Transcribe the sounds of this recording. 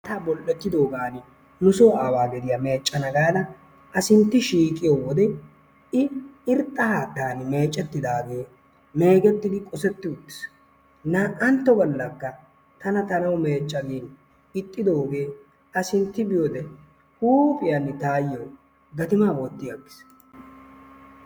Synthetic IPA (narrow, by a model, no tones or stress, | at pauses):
t̪aːbɔlːɛt̪ːɪd̪o̞ːɡaːn | nʊsoːaːwaːɡɛd̪ɪjɐme̞ːt͡ʃʼːɐnɐɡaːd̪ɐ | ɐsɪnt̪ːɪʃiːkʼɪjowɔd̪ɛ | ɪɪɾt̪ʼːɐhaːt̪ːaːnme̞ːt͡ʃʼːɛt̪ːɪd̪aːɡe̞ː | me̞ːɡɛt̪ːɪd̪ɪkʼɔsɛt̪ːɪʊt̪ːɪ̥s | nɐʔɐnt̪ːɔbɔlːɐkːɐ | t̪ɐnɐt̪ɐnɐwme̞ːt͡ʃʼːɐɡeːn | ɪt̪ʼːɪd̪oːɡe̞ː | ʔɐsɪnt̪ːɪbɪjoːd̪ɛ | huːpʼɪjɐnːɪt̪aːjːoː | ɡɐt̪ɪmaːboːt̪ːɪjaɡːɪ̥s